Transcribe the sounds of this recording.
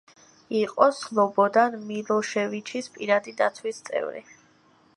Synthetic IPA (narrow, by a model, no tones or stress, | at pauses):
iqʼɔslˠɔbɔd̪anmilɔʃɛvit͡ʃʰispʼiɾad̪id̪at̪sʰwist̪sʼɛ̰vɾḭ